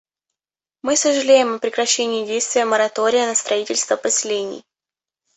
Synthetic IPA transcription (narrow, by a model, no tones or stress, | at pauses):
mɨsəʐɨlʲejɪmɐpɾʲɪkɾɐɕːenʲɪːdʲejst̪vʲɪjəməɾɐt̪o̞ɾʲɪjənəst̪ɾɐitʲɪlʲst̪vəpəsʲɪlʲenʲɪ̰j